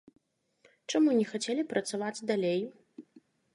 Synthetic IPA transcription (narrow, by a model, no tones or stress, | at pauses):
t͡ʂamunʲɛxat͡sʲelʲipɾɐt̪savad͡zʲd̪alʲej